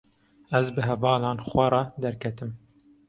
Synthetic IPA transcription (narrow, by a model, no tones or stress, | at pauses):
æzbɨɦɛvɑːlɑːnxwʷɛrˤɑd̪ɛɾkʰɛt̪ɨm